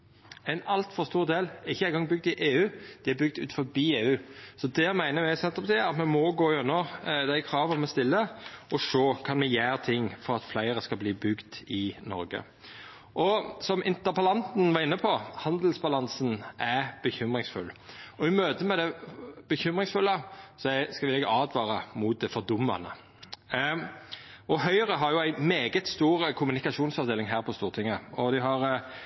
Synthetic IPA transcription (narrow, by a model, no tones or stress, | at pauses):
æɪnɑlt̪fɔʁst̪uːʁd̪eːlɪçːəæɪŋɡɑŋːbʏɡ̚t̪ɪʔeːʉːd̪̥ɪːæbʏɡ̚d̪ʉ̰ːt̪fɔbiːeːʉːsɔd̪ɛmæɪnəmæɪsɛnt̪əʁpɑt̪iːɾɑt̪mɛmɔɡoːʉnːəʁd̪æɪkʰɾɑːʋəɔmɛst̪ɪlːəʔɔsoːkʰɑnmɛjæːɾt̪ʰɪŋːfɔɾɑt̪flæɪɾəskɑlbliːbʉɡd̪ɪnɔ̰ɾɡə̰ | ʔɔsɔmʔɪ̰nt̪əɾpʰɑlɑnt̪n̩ʋɑːʁɪnːəpʰɔhɑnd̪əl̩sbɑlɑnsnæb̥əçʏmʁɪŋsfʉ̰lːɔɪmøːt̪əmɛd̪ɛb̥əçʏmʁɪŋsfʉlːəsɔskɑʋɪlɛɡɑːd̪ʋɑːɾəmʊt̪̚d̪ɛfɔɾd̪ʊmːɑ̰nə̰ | ɔɦœʏəʁəɦɑɾjʊæɪmeːɡət̪st̪uːɾəkʰʊmʉnɪkɑʃuːnsɑʋd̪eːlɪŋɦæːɾpʰɔst̪uːʁt̪ʰɪŋːəɔd̪ɪɦɑɾ